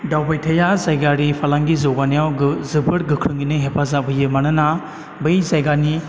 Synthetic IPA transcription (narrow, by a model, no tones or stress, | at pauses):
dawbajtʰɐjazajɡaɾipʰalaŋɡizɔɡanijawɡzɯbɯɾ̚ɡɯkʰɾɯŋɡinɯɦepʰazabɯjɯmanɯna | bɯjzajɡani